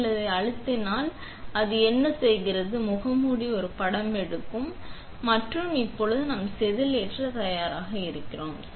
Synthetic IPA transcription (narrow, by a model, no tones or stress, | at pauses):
lːɐðɐɪɐɻɯt̪ːɪnaːl | ɐðɯɛnːɐsɛjɣɪrɐðɯmʊɣɐmuɽiɔɾɯpɐɽɐmɛɽɯkːɯmː | ɐʈrɯmɪpːɔɻɯðɯnɐmɐsɛðɪlɛʈrɐt̪ɐjaːɾaːɣɐɪɾɯkːɪroːm